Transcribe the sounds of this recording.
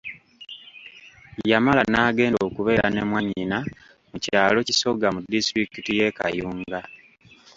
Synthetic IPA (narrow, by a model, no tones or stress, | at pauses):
jjamalanaːɡe̞ːndoːkuβe̞ːɾa̰ne̞mwaɲina | mucaːlo̞ciso̞ɡamudistɾikitije̞ka̰juːŋɡa